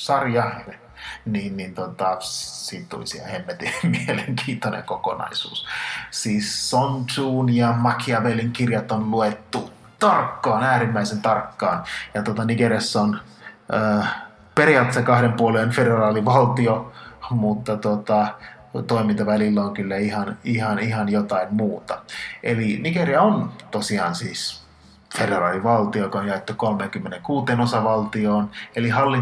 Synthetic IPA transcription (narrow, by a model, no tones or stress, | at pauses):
sɑrjɑhen | niːnːint̪ot̪ɑsiːt̪t̪ṵlisḭæ̰emːet̪imieleŋkʰiːnt̪onḛŋkoko̰nɑ̰isṵːssiːsːont̪uːnjɑmɑkʰiɑʋelːiŋkirjɑt̪onluet̪ːu | t̪ɑrkːɑːnæːɾimːæisent̪ɑrkːɑːnjɑt̪uot̪ɑniɡeɾesːæon | ʔəː | periɑt̪esekɑhɾempuolenfederɑːliʋɑlt̪iomut̪ːɑt̪ot̪ɑ | t̪oimint̪ɑʋælilːæoŋkylːæihɑnihɑnihɑnjot̪ɑimmuːt̪ɑḛliniɡeriɑont̪osiɑːnsiːs | federɑːliʋɑlt̪iokonjɑet̪ːukolmeːŋkymːeneŋkuːt̪eːnosɑʋɑlt̪ioːnelihɑlːi